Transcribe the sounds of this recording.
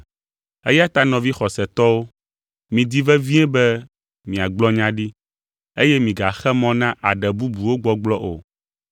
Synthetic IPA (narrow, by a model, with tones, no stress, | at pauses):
ḛ˦ja˦t̪a˦nɔ̃˨vi˦xɔ˨sɛ˨t̪ɔ˦wo˦ | mĩ˨d̪i˦vɛ˦vĩ˦ɛ̃˦bɛ˦ | mĩ˨a˨ɡ͡blɔ˦ɲã˦ɖi˦ | e˦jɛ˦mĩ˨ɡa˨xɛ˦mɔ̃˦nã˦ʔa˨ɖɛ˨bu˦bu˨wo˦ɡ͡bɔ˦ɡ͡blɔ˦ʔo̰˨